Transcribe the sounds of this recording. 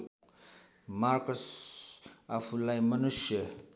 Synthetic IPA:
maɾkos | apʰulajmɐnusjə

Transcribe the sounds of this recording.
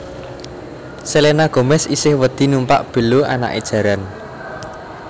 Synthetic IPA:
selenaɡ̥o̤mɛsisɪhwəd̪̥i̤numpa̰ʔb̥ə̤loa̰na̰ʔḛd̥ʒ̥ä̤ɾan

